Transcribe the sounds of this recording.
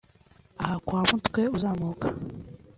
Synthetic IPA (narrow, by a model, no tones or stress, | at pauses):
ahakwaːβuntu̥kweuzaːmuokʰḁ